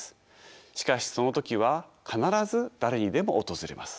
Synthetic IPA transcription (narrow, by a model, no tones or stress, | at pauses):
ɨ̥ | ɕi̥kaɕi̥so̞no̞t̪o̞kʲiβ̞akʰanaɾazɨd̪aɾe̞ɲ̟id̪e̞mo̞ot̪o̞zɨɾe̞̰ma̰sɨ̥